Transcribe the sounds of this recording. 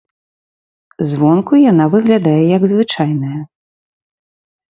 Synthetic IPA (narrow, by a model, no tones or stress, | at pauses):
zvɔnkujanavɨɣlʲad̪ajɛjɐɡzvɨt͡ʂajnɐjɐ